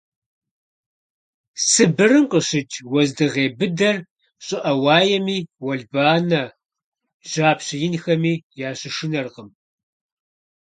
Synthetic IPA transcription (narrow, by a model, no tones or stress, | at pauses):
sɨbɨrɨmqəɕɪt͡ʃʰʼwɐzdɨʁeːbɨdɐr | ɕʼɪʔɐwɑːjɛmiːwɐɮbaːnɐ | ʒ̥aːpɕɪjɪnxɐmiːjaːɕɪʃɪnɐrqəm